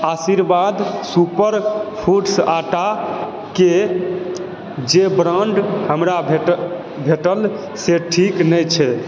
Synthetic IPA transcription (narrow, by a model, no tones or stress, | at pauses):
asiɾbad̪supəɾpʰuʈsaʈa | ke | d͡ʒebɾãɳɖhəmɾabʱe | bʱeʈəl | seʈʰiknəjt͡ʃʰɛ